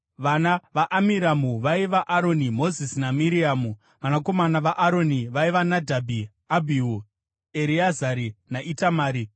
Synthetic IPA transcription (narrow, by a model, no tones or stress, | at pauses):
ʋanaʋaʔːmiɾamuʋaiʋaʔaɾo̞nimo̞zisinamiɾiamu | ʋanako̞manaʋaʔaɾo̞niʋaiʋanadʱabʱi | abʱiu | eɾiazaɾinaʔitamaːɾi